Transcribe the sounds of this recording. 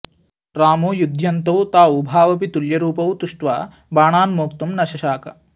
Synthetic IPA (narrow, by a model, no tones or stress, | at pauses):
ɾaːmoːjud̪ʱjɐnt̪ɐwt̪aːwubʱaːʋɐpit̪uljɐɾuːpɐwt̪uʂʈʋaː | baːɳaːnmoːkt̪umnɐʃɐʃaːkɐ̰